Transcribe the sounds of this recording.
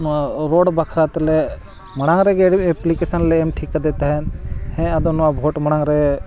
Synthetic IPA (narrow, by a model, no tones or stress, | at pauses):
naɾoːɽbəkʰɾat̪le | mɐɽ̃ãŋɾeɡeeplikesənleːmʈʰikːad̪eːt̪eɦɛnhɛ̃ɐd̪onabʱoːʈməɽ̃ãŋɾe